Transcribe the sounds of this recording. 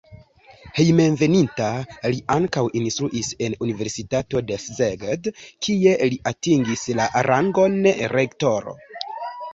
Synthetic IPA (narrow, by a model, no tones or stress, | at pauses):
hejme̞nve̞nintaliʔaŋkawʔinstɾuʔise̞nunive̞ɾsitato̞de̞szeɡedkʰie̞liʔatiŋɡislaʔaɾʔaŋɡo̞nɾekto̞ɾo̰